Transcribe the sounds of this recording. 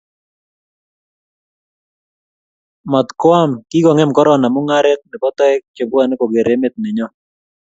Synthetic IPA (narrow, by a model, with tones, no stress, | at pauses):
mɔ˨t̪kʊ˦a˦mkɪ˦ɡɔ˨ŋɛ˦mkɔ˦ɾɔ˨na˨mʊ˦ŋa˦ɾɪ˦k̚nɪ˨pɔ˦t̪ɔ˦ɛ˦k̚t͡ʃo˨bwa˨ne˦ko˨ɡe˨ɾe˦mɪ˦t̪̚nɪ˨ɲɔ˦